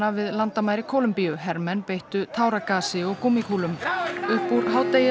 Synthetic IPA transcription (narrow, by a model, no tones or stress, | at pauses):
avɪðlant̪amaːjɾɪkʰowlʏmpijʏɦɛɾmɛnpejht̪ʏt̪ʰaːwɾakaːsɪɔɣkumikʰuːlʏmʏhpːuɾɦaːwt̪ejɪ